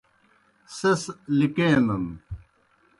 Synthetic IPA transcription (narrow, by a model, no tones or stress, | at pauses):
seslikẽːnɐn